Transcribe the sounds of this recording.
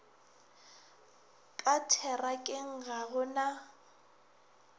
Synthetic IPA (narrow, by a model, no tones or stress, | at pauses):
kʼatʰɛrakʼɪŋ̩ɣaɣʊna